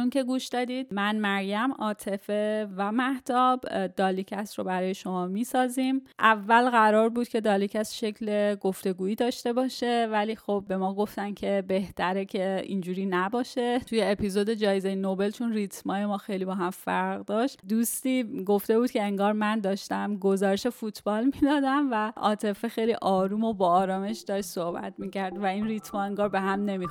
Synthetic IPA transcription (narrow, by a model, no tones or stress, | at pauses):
uŋce̞ɡuːʃd̪ɒːd̪iːd̪̚mænmæɾjæmɒːt̪ʰe̞fevæmæht̪ʰɒːbd̪̥ɒːlicʰæsɾobæɾɒːje̞ʃo̞mɒːmiːsɒːziːmʔævːælɣæɾɒːɾbuːd̪̚cʰe̞d̪ɒːlicʰæsʃe̞cʰle̞ɡo̞ft̪e̞ɡuːiːd̪ɒːʃt̪e̞bɒːʃe̞væliːxo̞b̚ːe̞mɒːɡo̞ft̪æncʰe̞be̞ht̪ʰæɾecʰe̞ḭnd͡ʒuːɾiːnæbɒːʃe̞t̪ʰujeepizod̪e̞d͡ʒɒːjezejenobe̞lt͡ʃʰonrit̪ʰmɒːjemɒːxe̞jlibɒːɦæmfæɾʁd̪ɒːʃt̪d̪ust̪iːɡo̞ft̪e̞buːd̪̥cʰʲe̞eŋɡɒːɾmænd̪ɒːʃt̪æmɡo̞zɒːɾeʃefut̪ʰb̥ɒːlmid̪ɒːd̪æmvæʔɒ̰ːt̪ʰe̞fexejliʔɒːɾuːmo̞bɒːɾɒːme̞ʃd̪ɒːʃt̪so̞hbæ̰t̪miːcʰæɾd̪væinrit̪ʰmɒːeŋɡɒːɾbe̞ɦæmne̞mix